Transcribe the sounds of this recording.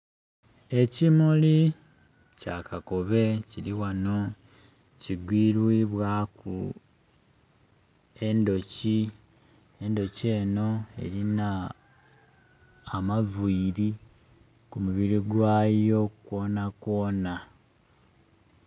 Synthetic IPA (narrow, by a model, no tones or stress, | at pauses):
e̞cimuli | ca̰kako̞βe̞ciɾiwano̞ | ciɡwiːɾwiβwaːkṵ | e̞ndo̞ci | endo̞ce̞ːno̞e̞̰ɾina | mavuiɾi | kumuβiɾiɡwaːjo̞kwo̞ːnako̞ːna